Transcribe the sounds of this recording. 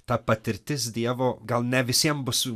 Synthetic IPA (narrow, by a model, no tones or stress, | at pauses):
t̪apɐt̪ɪɾt̪ɪsd̪iɛvoɡalˠnʲɛvɪsiɛmbʊsu